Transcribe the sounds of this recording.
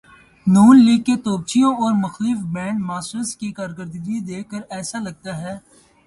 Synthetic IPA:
nuːnliːɡ̚ket̪oːb̚t͡ʃijõɔːɾmɐxliːfbɛ̃ːɳʈmaːsʈəskikaːɾɡəɾd̪ɡid̪eːkːəɾɛːsalɐɡ̚t̪aɦɛː

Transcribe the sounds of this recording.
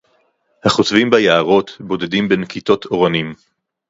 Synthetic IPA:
haχotvimbajaaʁo̞tbo̞dedimbenkito̞tʰo̞ʁanim

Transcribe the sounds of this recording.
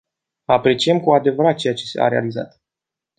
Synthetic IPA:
apɾe̞t͡ʃije̞mkuad̪e̞vəɾat̪̚t͡ʃe̞jat͡ʃe̞sea̰ɾe̞a̰liza̰t̪

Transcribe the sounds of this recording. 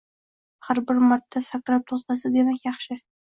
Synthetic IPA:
χaɾbɪɾmaɾt̪ʰːasakɾap̚t̪ʰozt̪ɑsɪd̪emækʲjɑχʃɪ

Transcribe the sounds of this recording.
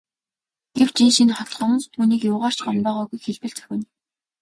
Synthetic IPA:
ɡ̥ew̥t͡ɕinʃinχɔt̪χɔ̆mə̆nst̪ʰuːniːkjʊːʁaːr̥t͡ɕɢɔmpœːʁɔːɣujxeɮpɘ̆ɮt͡sɵ̥xʲɘ̆n

